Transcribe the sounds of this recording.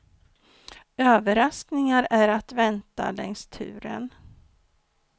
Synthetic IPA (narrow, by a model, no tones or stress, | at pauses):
øːvəɾasknɪŋaɾæɾat̪vɛnt̪a̰lɛ̰ŋst̪ʰʉ̟̰ːɾə̰n